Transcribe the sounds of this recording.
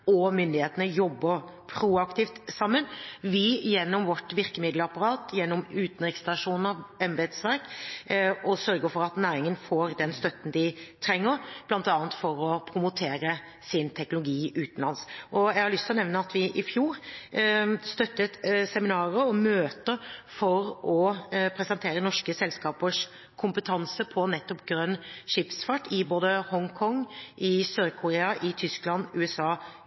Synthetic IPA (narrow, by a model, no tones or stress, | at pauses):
ɔmʏnd̪ɪheːt̪ənəjɔbːəɾ | pʰɾuɑkt̪ɪft̪sɑmːənʋɪjɛnːɔmʋɔʈːʋɪɾkəmɪd̪ləɑpːɑɾɑːt̪jɛnːɔmʉːt̪ənɾɪkst̪ɑʂuːnəɛmbɛːd̪sʋæɾk | ɔsœɾɡəɾfɔɾɑt̪næːɾɪŋənfoːɾd̪ɛnst̪œt̪ːən̩d̪ɪt̪ʰɾɛŋːəɾb̥lɑnt̪ɑːnt̪fɔɾɔpʰɾʊmʊt̪ʰeːɾə | sɪnt̪ʰɛknlʊɡiːʉːt̪ən̩lɑnsʔɔjæɛɡhɑɾɭʏst̪ʰɪlɔnɛʋnəɑt̪ʰʋɪʔɪfjuːɾ | st̪œt̪ːət̪sɛmɪnɑːɾəɔmøːt̪əɾfɔɾɔpʰɾɛsɛnt̪ʰeːɾənɔʂkəsɛlskɑːpəʂ | kʰʊmpət̪ʰɑnsəpʰɔnɛt̪ːɔpɡɾœnːʂɪpsfɑʈːɪboːd̪əhɔŋkʰɔŋːʔɪsøːɾkʰʊɾeːɑʔɪt̪ʰʏsklɑnʉːɛsɑː